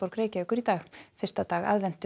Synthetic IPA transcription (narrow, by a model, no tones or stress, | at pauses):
powɾkɾeːjcaʏhkʏɾit̪aːɣfɪr̥st̪at̪aːɣa̰ðvɛn̥t̪ʏ